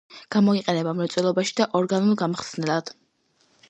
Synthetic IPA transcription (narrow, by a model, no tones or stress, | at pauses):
ɡ̥amɔiqʼɛnɛbamɾɛt̪sʼɛlˠɔbaʃi̥d̪aʔɔɾɡanulˠɡamχsnɛlˠad̪̥